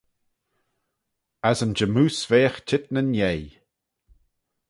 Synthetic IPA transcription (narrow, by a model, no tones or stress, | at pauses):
azənd͡ʒəmuːsveːxt͡ʃʰɪt̪̚nənjej